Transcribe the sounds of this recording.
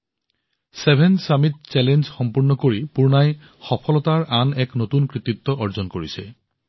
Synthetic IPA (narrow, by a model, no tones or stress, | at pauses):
sebʱɛnsamit̚t͡ɕɛlenzxɔmpuɹnɔkoɹipuɹnaj | xɔpʰɔlɔtaɹʔanɛknotunkɹit̪it̪ːɔʔɔɹzɔnkoɹisɛ